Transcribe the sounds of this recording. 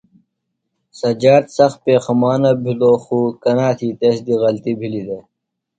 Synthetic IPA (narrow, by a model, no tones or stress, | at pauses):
sɐd͡ʑaːɾt̪sɐx̚peːxɐmaːnabʱiloːxuːkɐnaːt̪ʰiːt̪esd̪iɣɐlt̪ibʱilid̪eː